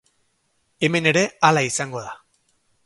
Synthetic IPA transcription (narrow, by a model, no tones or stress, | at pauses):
e̞me̞ne̞ɾe̞alaisaŋɡo̞ða